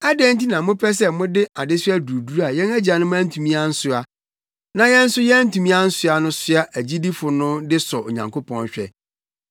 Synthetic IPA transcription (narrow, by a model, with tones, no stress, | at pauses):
a˦dɛ˦n˦ti˦nã˨mʊ̃˦pʰɛ˦s̬ɛ˦mʊ̃˦dɪ˦a˨dɪ˦sæ˦du˨du˦ɾa˨jɛ̃˦næ˦d͡ʑa˨nʊ̃˦mʊ̃˦æ˦tʰũ˨mĩ˦a˦n̩˦sʊ˦a˨ | nã˨jɛ̃˦n̩˦sʊ˦jɛ˦n̩˦tʰũ˨mĩ˦a˦n̩˦sʊ˦a˨nʊ̃˦sʊ˦a˦ʔæ˨d͡ʑi˦di˦fʊ˨nʊ̃˦dɪ˦sɔ˨o̰˨ɲã˨ŋkʰo˦pʰɔ̃˦n˦ɕᶣɛ̰˦